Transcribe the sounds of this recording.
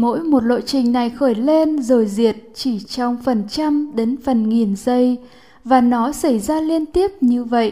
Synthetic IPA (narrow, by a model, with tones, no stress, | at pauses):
mo̰˧˥jmo˨˩t̚lo̰˧˨jt͡ɕï˨˩ŋ̟na˨˩jxəː˧˩jle˧nzo˨˩jzi˨˩ət̚t͡ɕi˧˩t͡ɕɔ˧wŋ͡mfə˨˩nt͡ɕa˧mɗe˨˦nfə˨˩nŋi˨˩nzə˧j | vaː˨˩nɔ˨˦sa˧˩jzaː˧li˧ənt̪i˦˥əp̚ɲɨ˧və̰˧˨jʔ